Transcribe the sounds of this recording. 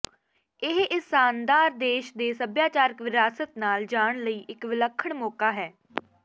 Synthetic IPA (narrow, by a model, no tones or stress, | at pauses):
ɪɦɪsaːnd̪aːɾd̪eːʃd̪eːsəbjaːt͡ʃaːɾəkʋɪɾaːsət̪naːld͡ʒaːɳ̃ləiːʔɪkʋɪləkʰːəɳmoːkaːɦɛː